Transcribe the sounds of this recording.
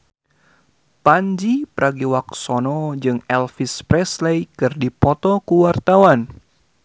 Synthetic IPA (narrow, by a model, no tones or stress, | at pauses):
paɲd͡ʒipəɾʔaɡiwak̚sɔnɔd͡ʒɨŋɛlfispɾɛslaikɨrdipɔt̪ɔkuwart̪awan